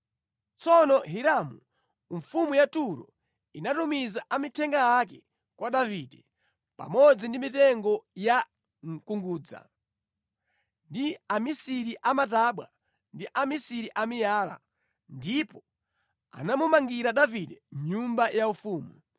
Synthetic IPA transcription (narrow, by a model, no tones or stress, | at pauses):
t͡sɔnɔɦiɾamu | ɱfumujatuɾɔ̰ | inatumizaʔamitʰɛŋɡajak̬ɛ | kwaɗavidɛ | pa̰mɔd͡zindimitɛŋɡɔja | ŋ̩kuŋɡuːd͡za̰ | ndiamisiɾiʔamataɓwa̰ | ndiʔamisiɾiʔamijaːla̰ | ndipɔ | a̰namumaŋɡiɾaɗavidɛmɲumbajaufuːmu